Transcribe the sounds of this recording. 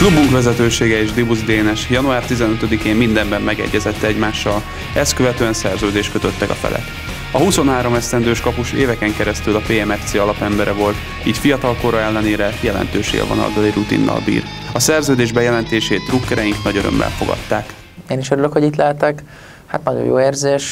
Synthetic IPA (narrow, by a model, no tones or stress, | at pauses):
klubuŋkʋɛzɛt̪øːʃeːɡɛeːʒd̪ibuzd̪eːnɛʃjɒnuaːrt̪izɛnøt̪ød̪ikeːmːind̪ɛmbɛmːɛɡɛ̰ɟːɛzɛt̪ːɛɛɟmaːʃːɒl | ɛst̪køvɛt̪øːɛnsɛrzøːd̪eːʃt̪køt̪ø̞t̪ːɛkɒfɛ̰lʔɛ̰k | ɒhuso̞nɦaːɾo̞mɛst̪ɛnd̪øːʃkɒpuʃeːvɛkɛŋkɛɾɛst̪ylɒpeːɛmɛft̪seːɒlɒpɛmbɛɾɛvo̞lt̪ | iːcfijɒt̪ɒlko̞ɾɒɛlːɛneːɾɛjɛlɛ̰nt̪øːʃḛːlvɒ̰nɒ̰ld̪ɒlirut̪ḭnːɒ̰lbḭːrɒsɛrzøːd̪eːʒbɛjɛlɛnt̪eːʃeːt̪rukːɛɾɛjiŋknɒɟøɾø̰mbɛ̰lfo̞̰ɡɒ̰t̪ːaːk | eːniʃøɾyløkho̞ɟit̪lɛɦɛt̪ɛk | hat̪nɒɟo̰jo̰ːeːrzeːʃ